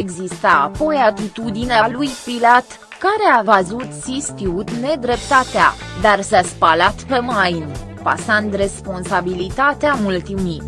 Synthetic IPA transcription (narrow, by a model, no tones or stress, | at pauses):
eɡzist̪a̰ːpo̞jat̪it̪ud̪inealujpilat̪ | kaɾeavəzut̪sist̪iut̪ne̞d̪ɾe̞pt̪at̪ea̰ | d̪arsaspalat̪pe̞majn | pa̰sand̪re̞spo̞nsabilit̪at̪eamult̪imi